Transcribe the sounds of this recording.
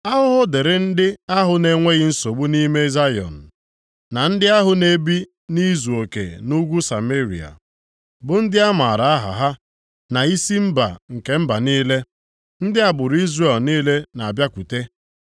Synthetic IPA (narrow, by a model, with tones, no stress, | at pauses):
a˦ɦʊ˦ɦʊ˦de˨ɾe˦n̩˦dɪ˦a˦ɦʊ˨ne˨ŋʷe˦ɣɪ˦n̩˦so˨ɡ͡bu˦ni˦me˦za˦jɔ̰˨n̩˨ | na˨n̩˦dɪ˦a˦ɦʊ˨ne˦bi˦ | ni˦zu˨o˨kḛ˨nu˦ɡʷu˦sa̰˨me˦ɾḭ˨a̰˨ | bʊ˨n̩˦dɪ˦a˦ma˨ɾa˨a˦ɦa̰˨ɦa˦ | na˨i˦si˦m̩˦ba̰˨ŋ̩˨ke˨m̩˦ba˨niː˦le˦ | n̩˦dɪ˦a˨bʊ˨ɾʊ˨˦i˦zre˨lniː˦le˦na˨a˨bja˦kʷu˨te˦